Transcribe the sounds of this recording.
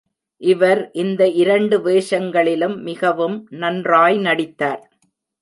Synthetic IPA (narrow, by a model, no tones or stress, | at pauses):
ʔɪʋɐɾʔɪnd̪ɐʔɪɾɐɳɖɯʋeːʂɐŋɡɐɭɪlɯmːɪɣɐʋɯmnɐndraːjnɐɽɪt̪ːaːɾ